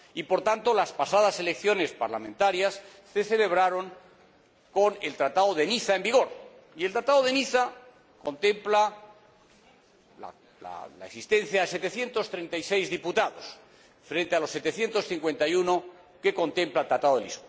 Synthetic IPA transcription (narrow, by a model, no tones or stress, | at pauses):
ipo̞ɾt̪ant̪olaspasaðase̞le̞kθjo̞ne̞spaɾlamẽ̞nt̪aɾjasː | e̞θe̞le̞β̞ɾaɾo̞ŋ | ko̞ne̞lt̪ɾat̪aðoðeniθaembiɣ̞o̞ɾ | ielt̪ɾat̪aðoðe̞niθa | ko̞nt̪e̞mpla | la̰ | la̰la̰eksist̪ẽ̞n̟θjaðese̞t̪e̞θje̞nt̪o̞st̪ɾe̞nt̪ajse̞jzðiput̪aðo̞s | fɾe̞nt̪e̞alo̞sːe̞t̪e̞θje̞nt̪o̞sθiŋkwe̞nt̪ajuno̞ | ke̞ko̞nt̪e̞mplaelt̪ɾat̪aðo̞ðelḭsku